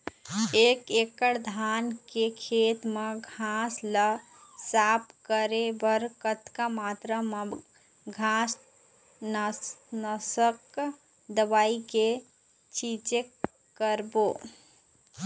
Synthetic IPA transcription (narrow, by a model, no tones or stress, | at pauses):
eːkekəɽd̪ʱaːnkekʰeːt̪meɡʱaslə | saːpʰkəɾebəɾkət̪kamaːt̪ɾəm | ɡʱas | nnəsək | d̪əbaːike | t͡ʃit͡ʃek | kːəɾboː